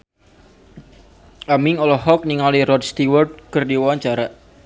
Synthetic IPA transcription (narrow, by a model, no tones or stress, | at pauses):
ʔamiŋɔlɔhɔk̚niŋalirɔt̪st̪iwɔrd̪̚kərdiwaɲt͡ʃaɾa